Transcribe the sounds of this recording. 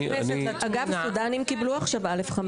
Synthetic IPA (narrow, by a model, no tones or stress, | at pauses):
esneaɡavsud̪animkibluaχʃavalefχam